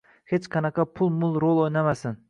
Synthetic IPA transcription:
het͡ʃqʰɑnɑqʰɑpʰʊlˠmʊlˠɾolˠojnamasɪn

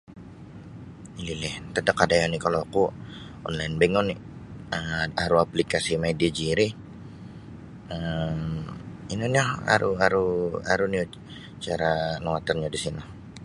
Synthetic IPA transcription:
ililɪht̪ədakadajanikaloaku | ɔ̰nlaɪnbɛŋɔni | əaɾuaplikasimaidiad͡ʒiɾi | əm | inɔniaa̰ɾuaɾua̰ɾuni | t͡ʃaɾanowat̪ərɲadisinɔ

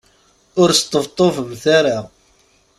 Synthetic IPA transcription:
ʊɾst̪ˤəvt̪ˤːofəmθaɾa

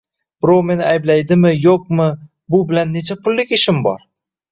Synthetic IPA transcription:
b̥ɪɾowme̞nɪajblajd̪ɪmɪjoq̚mɪ | bʊbɪlanːe̞t͡ʃʰapʰʊlːɪkʲɪʃɪmbɒ̰ɾ

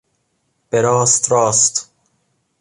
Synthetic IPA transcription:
b̥eɾɔːst̪ɾɒːst̪

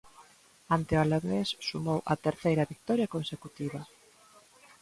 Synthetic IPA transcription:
ant̪eoalaɣessumowʔɐt̪eɾθejɾɐβik̚t̪ɔɾjɐkonsekut̪iβɐ

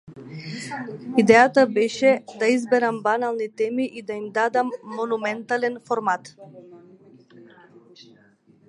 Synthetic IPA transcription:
id̪ɛjat̪abɛʃɛd̪aizbɛɾambanalˠnit̪ɛmiʔid̪aimd̪ad̪amːɔnumɛnt̪alɛnfɔɾmat̪

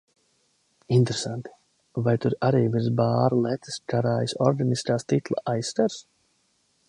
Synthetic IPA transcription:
int̪ɾesant̪i̥ | vajt̪uɾaɾiːviɾzbaːɾlˠɛt̪ɨ̥skʰaɾaːjsɔɾɡaniskaːst̪it̪lˠa̰ʔajsːt̪aɾs

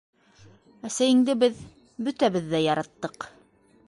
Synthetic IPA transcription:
æsæjɘ̆ŋd̪ɘbɘð | bɵt̪æβɘðːæjɑɾɑt̪ːɤq

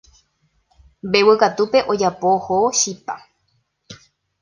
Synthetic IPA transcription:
mbewɨkat̪upe̞ʔod͡ʒapohoʃipa

